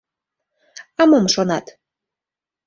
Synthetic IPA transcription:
ɑmomʃonɑt̪

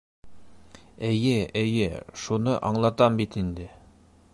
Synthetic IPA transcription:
ɘ̆jɘɘ̆jɘʃunɤʔɑɴlˠɑt̪ɑmbit̪ind̪ɘ

